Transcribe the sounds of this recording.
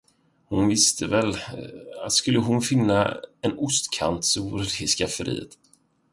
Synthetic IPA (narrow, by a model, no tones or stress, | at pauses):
hʊnvɪst̪ʰəvɛlat̪skɵlːəɦʊnfɪnːa̰ɛnʊst̪kʰa̰nt̪suːɾɾɪskafəɾḭːə̰t̪